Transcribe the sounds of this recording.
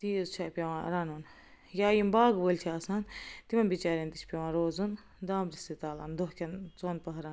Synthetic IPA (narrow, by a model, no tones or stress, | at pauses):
t̪iːezt͡ʃʰaːpʲɐʋãːɾanun | jaːjimbaːɡbolʲt͡ʃʰiɐsaːnt̪imɐnbit͡ʃaːɾʲɐnt̪it͡ʃʰpʲɐʋãːɾoːzun | d̪aːmɾist̪it̪aːla̰nd̪oɦkʲɐnt͡soːnpɐɦɾan